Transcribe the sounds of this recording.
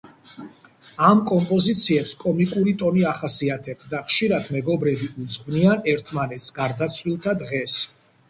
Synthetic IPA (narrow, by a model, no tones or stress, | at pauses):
amkʼɔmpʼɔzit̪sʰiɛpskʼɔmikʼuɾit̪ʼɔniaχasiat̪ʰɛb̚t̪ʰd̪aχʃiɾad̪mɛɡɔbɾɛbiʔud̪zʁvnianɛɾt̪ʰmanɛt̪sɡ̥aɾd̪at̪sʰwilˠt̪ʰad̪ʁɛs